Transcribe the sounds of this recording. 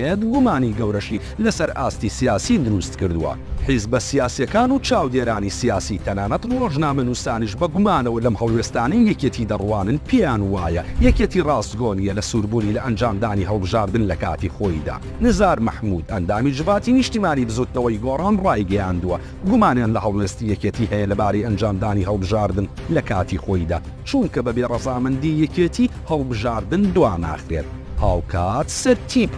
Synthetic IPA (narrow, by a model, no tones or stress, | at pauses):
et̪ɡumaːniɡɐwɾɐʃi | lɐsɐɾʔa̰ːst̪isijaːsid̪ʊɾust̪kɨɾd̪uwɐ̰ħizbɐsijaːsijɐkaːnut͡ʃaːwd̪eːɾaːnisijaːsit̪ʰɐnaːnɐt̪roːʒnaːmɐnuːst̪aːniʃbɐɡumaːnɐwɐlɐmhɐlˠweːst̪aːnɐjːɛket̪ʰiːd̪ɐrwaːnɨnpʰejaːnwaːjɐjɛkeːt̪ʰirɑːzt̪ɡoːnijɛlɐsuːɾbuːnilɐʔɐnd͡ʒaːmd̪aːniɦɐlˠbɨʒaːɾd̪ɨnlɐka̰ːt̪ixoːjd̪a̰ː | nɨzaːɾmɐħmuːd̪ɐnd̪aːmid͡ʒɪvaːt̪inɨʃt̪imaːnibɨzuːd̪̚t̪ɐwɐjɡoːrˤaːnrɑːjɡɐjaːnd̪uwɐ | ɡumaːnjaːnlɐhɐlˠwest̪ijɛkeːt̪iːhɛjɐlɐbaːɾɐjʔɐnd͡ʒaːmd̪aːniːɦɐlˠbɨʒaːɾd̪ɨn | lɐkʰaːt̪ʰixoːjd̪a̰ː | t͡ʃumkɐbɐbeːrˤɐzaːmɐnd̪ijɛket̪ʰiː | hɐlˠbɨʒaːɾd̪ɨnd̪waːna̰ːxɾeːt̪̚ | haːwkʰaːt̪sɨɾt̪ʰip